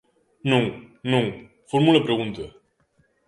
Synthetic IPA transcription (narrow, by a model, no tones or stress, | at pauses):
nuŋnuŋ | formuləpɾeɣunt̪ə